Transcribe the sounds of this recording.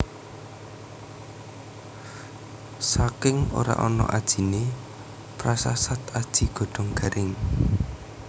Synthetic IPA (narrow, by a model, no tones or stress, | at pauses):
sakɪŋo̰ɾa̰ʔɔnɔ̰ʔad̥ʒ̥i̤ne | pɾasasat̪ad̥ʒ̥i̤ɡ̥ɔ̤ɖ̥ɔ̤ŋɡ̥a̤ɾʔɪŋ